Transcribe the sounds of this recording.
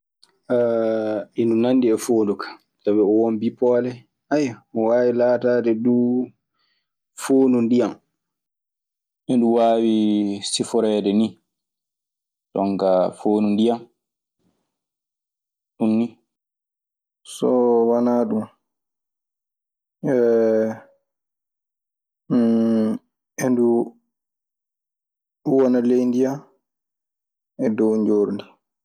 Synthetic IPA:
ʔa | indunanːdiɛfoːndukḁ | tabɛɔwombipɔːlɛ | ajaɔwaːwilaːtaːdɛduː | foːnundijam | mɛnduwaːwisifɔɾɛːdɛni | tɔŋkafoːnundijam | ɗunːi | sɔwanaɗum | ɛ | ʔendu | ɗuwɔnalejndija | ɛdɔwɲd͡ʒoːɾdi

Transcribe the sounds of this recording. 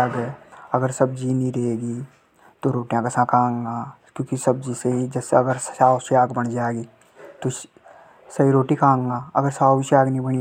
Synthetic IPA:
aːɡɛɐɡəɾsɐb̚d͡ʒinĩɾɐeːɡi | t̪oɾoːʈjãkəsãkʰãːŋɡaːkjõːkisɐb̚d͡ʒiseɦid͡ʒɛseɐɡəɾsaːsjaːɡbəɽd͡ʒaːeɡiː | t̪o | sɐɦiɾoːʈikʰãːŋɡaːɐ̰ɡəɾsaːʃjaːɡnɐĩbəɽ̃i

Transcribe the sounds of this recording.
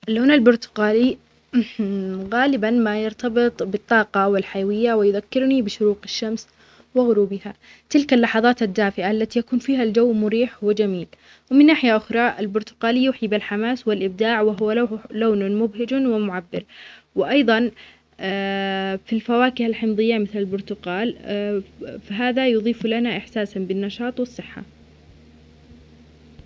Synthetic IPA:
ʔalːoːnalbʊɾt̪ʊ̥qaːli | ɣaːlɪbanmajɪɾt̪abɪt̪ˤbɨt̪ˤːɑːqɑwɪlħajawɪjːawɪjʊðakːɪɾnibɪʃʊɾuːqaʃːams | wɪɣʊɾuːbɪha | t̪ɪlkalːɑħɑðˤɑːt̪ad̪ːaːfɪʕaʔlːat̪ijakuːnfiːɦald͡ʒawːmʊɾiːħwɪd͡ʒamiːl | wɪmɪnːaːħɪjaʔʊxɾˤɑʔalbʊɾt̪ʊ̥qaːljuːħibɪlħamaːswɪlʔɪb̚d̪aːʕwɪɦʊwaloːnʊnmʊbɦɪd͡ʒwɪmʊʕabːɪɾwɪʔɑjðˤɑnː | filfawaːkɪhalħɪmðˤɨjːamɪθlalbʊɾt̪ʊqaːl | faɦaːðajʊðˤiːflanaʔɪħsaːsanbɪnːɑʃɑːt̪ˤwɨsˤːɨħːa̰

